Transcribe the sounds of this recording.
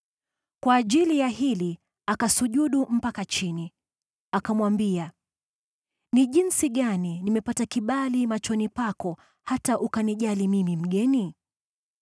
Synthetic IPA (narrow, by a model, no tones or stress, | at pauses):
kwaːʄilijaɦili | akasuʄuɗum̩pakat͡ʃini | akamwambia | niʄinsiɠaninimɛpatakiɓalimat͡ʃɔnipakɔ | hataʔukaniʄalimimim̩ɠɛni